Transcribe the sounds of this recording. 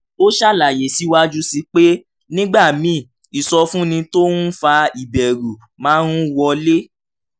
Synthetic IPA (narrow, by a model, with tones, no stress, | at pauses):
o˦ʃa˦˨la˨je˨si˨˦wa˦d͡ʒu˦si˧k͡pe˦ | nĩ˦ɡ͡ba˦˨mĩ˨˦˨ | i˨sɔ˧fũ˦nĩ˧to˦nũ˦fa˧i˨bɛ˨ɾu˨ | mãː˨˦ɾ̃ũ˦wɔ˧le˦